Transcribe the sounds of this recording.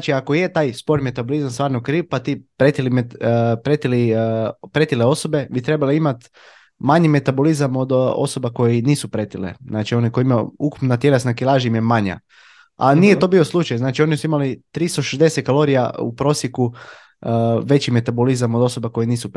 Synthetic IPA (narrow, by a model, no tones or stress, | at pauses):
nat͡ʃiakojet̪aːjspo̞ɾnime̞t̪abolizamst̪ʋaːɾnokɾiːpat̪ipɾet̪ilimpɾe̞t̪ilipɾe̞t̪ileo̞so̞be̞bit̪ɾe̞baliimat̪ | maɲime̞t̪abolizamo̞d̪o̞̰so̞bako̞jiniːsupɾe̞t̪ilḛznaːt͡ʃio̞nikojimao̰uku̥pnat̪je̞lesnakilˠaːʒiimjemaɲa̰ | a̰nijet̪o̞bioslˠut͡ʃajznaːt͡ʃio̞nisuimalit̪ɾist̪oʃezd̪eset̪̚kalo̞ɾija̰ṵpɾo̞ːsjeku | ʋe̞t͡ɕime̞t̪abolizamod̪o̞so̞bako̞jiniːsup